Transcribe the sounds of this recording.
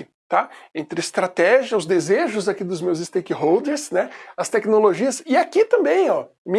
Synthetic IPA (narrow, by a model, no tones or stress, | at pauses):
ɪ | t̪aẽnt̪ɾɪɪst̪ɾat̪ɛʒiɐʊzd̪ezeʒʊzakid̪ʊzmewzɪst̪ejkɪɦowd̪eɾsnɛɐst̪ɛknoloʒiɐsɪakit̪ɐ̃mbẽj̃ɔmĩ